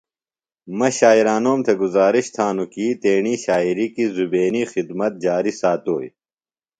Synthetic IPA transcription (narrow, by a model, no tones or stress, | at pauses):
mɐɕaːiɾaːnoːmt̪ʰeɡuzaːɾiɕt̪ʰaːnukiːt̪eːɳiɕaːiɾikizubeːnixid̪mɐt̪̚d͡ʑaːɾisaːt̪oːj